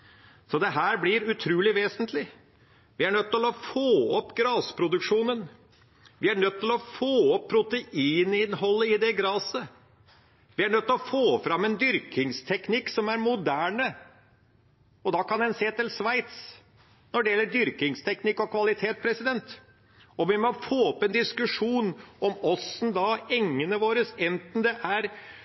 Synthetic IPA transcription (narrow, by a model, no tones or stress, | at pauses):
sɔd̪ɛɦæːɾblɪɾʉt̪ʰɾuːlɪʋeːsənt̪ʰlɪ | ʋɪæɳœt̪ːɪlɔfoːɔpːɡɾɑːspʰɾʊd̪ʉkʂuːnən | ʋɪæɳœt̪ːɪlɔfoːɔpʰːɾʊt̪əʔiːnɪnhɔlːəɪd̪ɛɡɾɑːsə | ʋɪæɳœt̪ːlɔfoːfɾɑmːɛnd̪ʏɾkʰɪŋst̪ʰɛknɪkːsɔmæɾmʊd̪æːɳə | ɔd̪ɑkɑnd̪ɛnseːt̪ɪlsʋæɪt̪s | nɔɖɛjɛlːəɖ̪ʏɾkɪŋst̪ʰɛknɪkːɔkʰʋɑlɪt̪ʰeːt̪̚pʰɾɛsɪd̪ɛnt̪ | ɔʋɪmɔfoːɔpːɛnd̪ɪskʉʂuːnɔmɔsn̩d̪ɑɛŋːənəʋoːɾəsɛnt̪n̩d̪ɛʔæɾ